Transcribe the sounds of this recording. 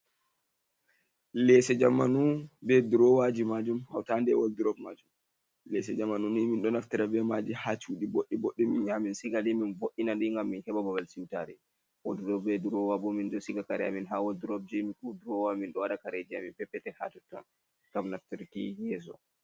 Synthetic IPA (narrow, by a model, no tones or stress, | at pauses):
lɛsɛd͡ʒamːanubɛduɾɔwad͡ʒimad͡ʒumha̰wtandɛwolduɾɔbmad͡ʒum | lɛs̬ɛd͡ʒamanuniminɗɔnaftiɾabɛmad͡ʒihat͡ʃuːɗiboɗːiboɗːiminjaminsiɡaliminvoʔːinaɗiŋɡamːinhɛɓabawalsimitaɾɛ | wodudɔbɛduɾɔwabɔminɗɔsiɡakaɾɛa̰minɦawolduɾɔb̚d͡ʒemikuduɾɔwaminɗɔwaɗakaɾɛd͡ʒiaminpɛpːɛtɛha̰tutːɔ̰n | ɡ̥amnaftiɾkḭjɛs̬ɔ̰